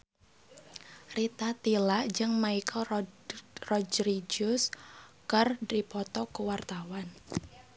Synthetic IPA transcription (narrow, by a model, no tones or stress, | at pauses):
rit̪at̪ilaʔd͡ʒɨŋmaikʰəl | rɔd͡ʒɾid͡ʒʊskərdipɔt̪ɔkuwart̪awan